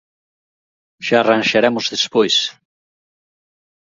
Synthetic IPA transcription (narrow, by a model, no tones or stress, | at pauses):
ʃaːrãnʃaɾɛmʊzðespojs